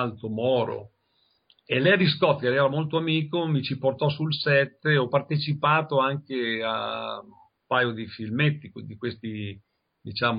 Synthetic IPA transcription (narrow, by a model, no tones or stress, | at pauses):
alt̪omɔːɾo̰ | elɛjad̪iskɔt̪ːkelɛjɛɾamolt̪oamiːkomit͡ʃiport̪ɔsulsɛt̪ːeɔpːart̪et͡ʃipaːt̪oaŋkea̰ | mpaːjod̪ifilmet̪ːikid̪ikwest̪i | d̪it͡ʃaːm